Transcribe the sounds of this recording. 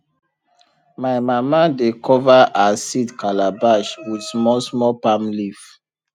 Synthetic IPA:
majmamadekʰɔvaʔasidkalabaʃwidsmɔsmɔpamlif

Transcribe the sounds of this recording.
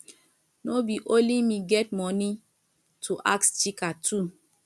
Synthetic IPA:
nobiʔolimiɡɛt̚mɔni | tʰuʔakst͡ʃikatʰu

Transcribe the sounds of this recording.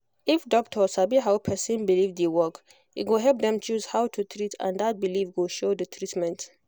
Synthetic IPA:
ifdɔk̚tʰɔsabiɦawpʰɛsĩnbilivdewɔk | itwoɦɛlp̚dɛ̃mt͡ʃuzhawtʰutʰɹitʰã̰ndat̚bilifɡoʃodətʰɹitmɛ̃nt

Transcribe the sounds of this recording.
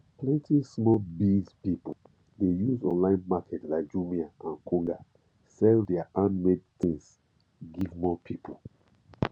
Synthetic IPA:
plɛ̃ntʰismɔlbizpipol | dejuzɔ̰̃nlãɪ̃nmakʰɛtlaɪk̚d͡ʒumiaʔãnkʰũŋɡa | sɛldɛaʔãnmedt̪ĩŋs | ɡivmɔpʰipʰo̰l

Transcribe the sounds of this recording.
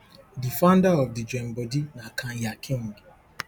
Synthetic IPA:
difãʊ̃ndaɔfdid͡ʒɛ̃mbɔdinakʰãjakʰĩŋɡ

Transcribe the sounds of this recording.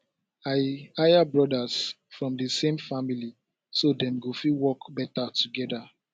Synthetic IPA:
aɪajabɹɔdas | fɹɔ̃mdəsẽmfamili | sodɛ̃mɡofiwɔkbɛtatuɡɛda

